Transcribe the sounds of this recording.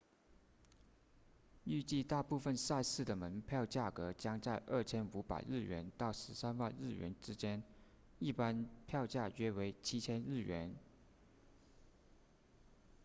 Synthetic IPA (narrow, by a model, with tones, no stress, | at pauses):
y˥˧t͡ɕi˥˧t̪a˥˧pu˥˧fə˧nsa˥˧ɪsɹ̩˥˩d̪ə˩mə˧˥npʰjɑ˥˧ʊt͡ɕja˥˩kɤ˧˥t͡ɕjɑ˥ŋt͡sa˥˧ɪʔə˥˩t͡ɕʰjɛ˥nu˧˥pa̰˨˩ɪɻɻ̩˥˩ɥɛ̰˧˥nt̪ɑ˥˩ʊʂɻ̩˧˥sa˥nwa˥˧nɻɻ̩˥˩ɥɛ̰˧˥nʈ͡ʂɻ̩˥t͡ɕjɛ˥n | i˥˩pa˥npʰjɑ˥˧ʊt͡ɕja˥˩ɥɛ˥we˧˥ɪt͡ɕʰi˥t͡ɕʰjɛ˥nɻɻ̩˥˩ɥɛ̰˧˥n